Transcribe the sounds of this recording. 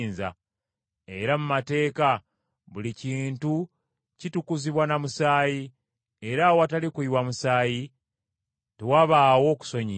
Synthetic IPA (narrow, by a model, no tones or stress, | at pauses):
nza̰ | e̞ɾamumate̞ːka | βuliciːntu | citukuziβwanamusaːji | e̞ɾawoatalikwiwamusaːji | tewaβaːwo̞ːku̥so̞ɲi